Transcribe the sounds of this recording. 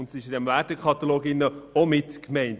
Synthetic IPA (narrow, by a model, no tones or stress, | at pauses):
ʊntsiɪʃɪdɛmvæːtəkʰχɑt̪oloːɡɪnːəomɪtkmɛɪnt